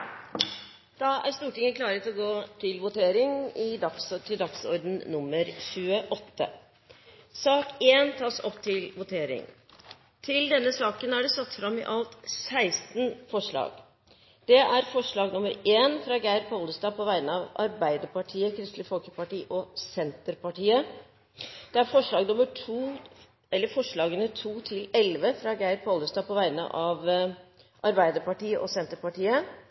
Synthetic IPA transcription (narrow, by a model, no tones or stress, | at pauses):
d̪̥ɑʔæ̰ɾst̪uːʈɪŋəkʰlɑːɾət̪lɔɡoːt̪ʰɪlʋʊt̪ʰeːɾɪŋɪd̪ɑkst̪ʰɪld̪ɑksɔɾd̪n̩ːʊmːəɾçʉːəʔɔt̪ːə̰ | sɑːkeːnt̪ʰɑːsɔ̰pt̪ʰɪlʋʊt̪ʰeːɾɪ̰ŋ | t̪ʰɪld̪ɛnːəsɑːkənæɖɛsɑt̪ːfɾɑmːɪ̰ʔɑlt̪sæɪst̪nfɔʂɭɑ̰ːɡ̥ | d̪̥ɛʔæɾfɔʂɭɑːɡnʊməɾeːnfɾɑɡæɪɾpʰɔləst̪ɑːpʰɔʋæɪənəɑʋɑ̰ɾbæɪd̪əɾpɑʈʰiːəkʰɾɪst̪lɪfɔlkəpɑʈiːʔɔsɛnt̪əɾpɑʈiːə | d̪̥ɛæɾfɔʂɭɑːɡnʊməʈʰuː | ɛlːəɾfɔʂɭɑːɡənəʈʰuːt̪ʰɪlɛlʋəfɾɑːɡæɪɾpʰɔləst̪ɑːpʰɔʋæɪnə̰ʔɑʋ | ʔɑɾbæɪd̪əɾpɑʈiːəʔɔsɛnt̪əɾpɑʈiːə